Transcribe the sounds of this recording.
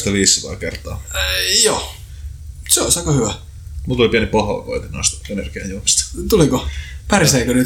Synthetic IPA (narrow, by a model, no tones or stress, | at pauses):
st̪ɑʋiːsːot̪ɑ̰ːkert̪ˑɑːjoː | seosɑkɑhyʋæ | mut̪ːolipiænipɑhɑ̰ːˑko̰it̪inɑst̪enḛrɡ̥iæ̰jumist̪t̪ulikopæriseikøny